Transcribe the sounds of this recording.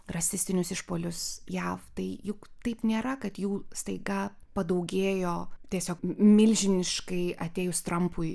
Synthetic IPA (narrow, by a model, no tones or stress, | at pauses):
rɐsʲɪsʲt̪ʲɪnʲʊsɪʃpoːlʲʊsjæːft̪ɐɪjʊkt̪ɐɪpnʲeːɾɐkɐt̪juːst̪ɐɪɡɐpɐd̪ɐʊɡʲeːjoːt̪ʲiɛsʲoːkmʲɪlʲʒʲɪnʲɪʃkɐɪɐt̪ʲeːjʊst̪ɾɐmpʊɪ